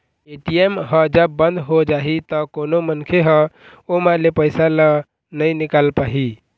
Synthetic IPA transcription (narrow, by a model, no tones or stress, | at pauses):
eʈijemɦəd͡ʒəbːənd̪ʱɦod͡ʒaɦit̪ɔkonomənkʰeɦə̃ | omalepəjsalə | nəjnikalpaɦi